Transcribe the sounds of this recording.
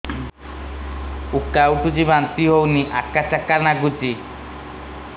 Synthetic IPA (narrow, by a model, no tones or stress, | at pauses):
ukːawʈud͡ʒibant̪iɦowniʔakːat͡ʃakːanaɡud͡ʒi